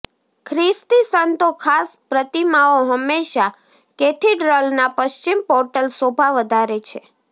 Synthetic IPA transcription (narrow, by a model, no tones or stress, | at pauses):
kʰɾist̪isənt̪okʰaspɾət̪imaoɦəmːeʃa | ket̪ʰiɖɾəlnapəʃt͡ʃimpɔɾʈəlsobʱaʋəd̪ʱaɾet͡ʃʰe